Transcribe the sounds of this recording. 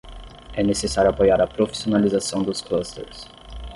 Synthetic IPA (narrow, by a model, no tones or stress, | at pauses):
ɛnesesaɾjʊapojaɾɐpɾofi̥sionalizasɐ̃w̃d̪ʊsklɐst̪ḛɾs